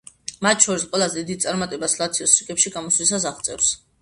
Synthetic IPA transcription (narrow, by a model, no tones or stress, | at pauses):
mat̪̚ʰʃʰɔɾisqʼwɛlˠazɛid̪it̪sʼaɾmat̪ʼɛbaslˠat̪sʰiɔsɾikʼɛpʃiɡamɔslisas̬aʁt̪sʼɛ̰fs